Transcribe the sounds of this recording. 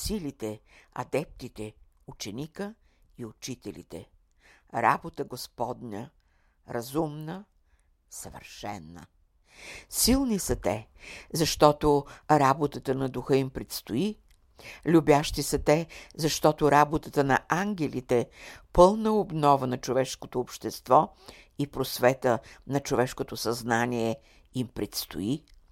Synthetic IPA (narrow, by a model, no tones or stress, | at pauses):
silit̪ɛɐ̰d̪ɛp̚t̪it̪ɛ | ut͡ʃɛnikə | iʊt͡ʃit̪ɛlḭt̪ɛ̰ | ɾa̰bot̪əɡospɔd̪nʲə̰ | ɾɐzumnə | səvə̰ɾʃɛ̰nːə̰ | silˠnisɐt̪ɛzɐʃt̪ɔt̪oɾabot̪ət̪ənɐd̪ʊxɤimpɾɛt̪st̪ʊi | lʲubjaʃt̪isɐt̪ɛzɐʃt̪ɔt̪oɾabot̪ət̪ənɐʔaŋɡʲɛlʲit̪ɛpɤlˠnəobnɔvənɐt͡ʃovɛʃkot̪oːpʃt̪ɛst̪vɔ | ipɾosvɛt̪ənɐt͡ʃovɛʃkot̪osɐznanʲiɛ | impɾɛt̪st̪ʊ̰i